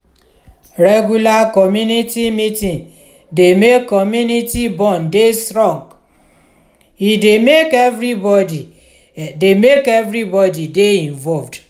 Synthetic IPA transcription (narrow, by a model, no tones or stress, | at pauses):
ɾɛɡulakɔmjunitimitĩn | demekːɔmjunitibɔ̃ndestɾɔ̃ŋɡ | idemekevɾibɔdi | demekevɾibɔdideĩɱvɔlvd